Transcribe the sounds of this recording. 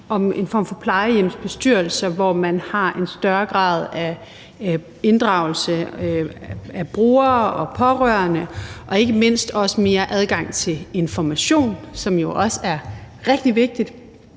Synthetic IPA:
ɒ̽me̝nfɒ̰ːmfɒ̽pʰlɑ̈ɪəjem̰sb̥e̝sd̥yɐ̰l̩sɐʋɒmænhɑ̈ʔe̝nsd̥ɶɐɡ̥ʁɑ̰̈ːð̞ˠæ | e̝nd̥ʁɑ̈ʊl̩sə | æb̥ʁoːɐɒ̽pʰɒ̽ʁœ̰ɐnəʔɒ̽e̝ɡ̥əme̝n̰sd̥ɒ̽səme̝ːɐʔæð̞ˠɡ̥ɑ̈ŋ̰t͡sʰe̝le̝nfɒmæɕo̝̰ːnsɒ̽mjo̝ʔɒ̽səæɐ | ʁɛɡ̥̚d̥iʋe̝ɡ̥̚d̥id̥

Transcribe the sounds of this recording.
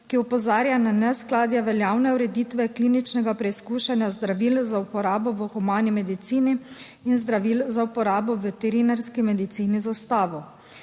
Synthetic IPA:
kiɔpɔzaːɾjananɛsklaːd̪jɛʋɛljaːwnɛuɾɛd̪iːt̪ʋɛkliːnit͡ʃnɛɡapɾɛiskuʃɛnjazd̪ɾaʋilzaupɔɾaːbɔʋəxɔmaːnimɛd̪it̪siːniː | nzd̪ɾaʋiːlzaupɔɾaːbɔʋɛt̪ɛɾinaɾskimɛd̪it̪siːnizast̪aːʋɔ

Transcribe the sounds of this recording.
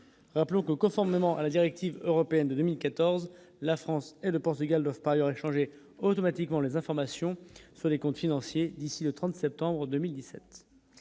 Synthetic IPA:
ʁaplɔ̃kəkɔ̃fɔʁmemɑ̃ʔalad̪iʁɛk̚t̪ivøʁɔpeɛnd̪əd̪ømilkat̪ɔʁz | lafχɑ̃seləpɔʁt̪yɡald̪wavpaʁajœʁeʃɑ̃ʒe | ot̪ɔmat̪ikmɑ̃lezɛ̃fɔʁmasjɔ̃syʁlekɔ̃t̪finɑ̃sjed̪isilət̪χɑ̃t̪sɛp̚t̪ɑ̃bʁəd̪əmild̪isɛ̰t̪

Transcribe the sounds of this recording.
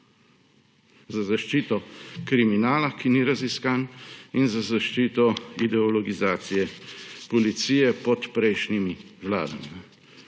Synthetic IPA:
zazaʃt͡ʃiːt̪ɔkɾiminaːlakiniɾaziskaninzazaʃt͡ʃiːt̪ɔid̪ɛɔlɔɡizaːt̪sijɛpɔlit̪siːjɛpɔt̪pɾɛjʃnimiwla̰ːd̪amin

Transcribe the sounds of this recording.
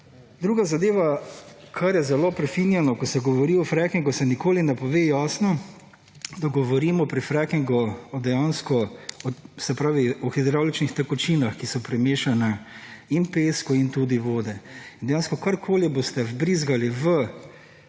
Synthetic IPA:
d̪ɾuːɡazad̪eːʋa | kʰaɾjɛzɛloːpɾɛfinjɛnɔkɔsɛɡɔʋɔɾiɔfɾɛkiŋɡusɛnikoːlinɛpɔʋeːjaːsnɔ | d̪aɡɔʋɔɾiːmɔpɾifɾakiŋɡɔɔd̪ɛjaːnskɔɔsɛpɾaːʋiɔxid̪ɾawlit͡ʃnixt̪ɐkɔt͡ʃiːnaxkisɔpɾɛmeːʃanɛinpeːskɔint̪uːd̪iʋoːd̪ɛind̪ɛjaːnskɔkaɾkʰoːlibost̪ɛvbɾiːzɡaliʋə

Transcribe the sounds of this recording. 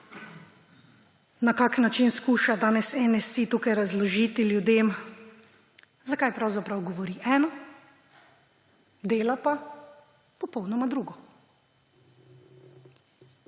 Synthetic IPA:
nakaknat͡ʃinskuːʃad̪aːnɛsɛnɛsit̪uːkajɾazlɔʒiːt̪iljud̪eːm | zakajpɾawzapɾawɡɔʋɔɾiʔɛːnɔ | d̪eːlapa | pɔpɔwnɔmad̪ɾuːɡɔ

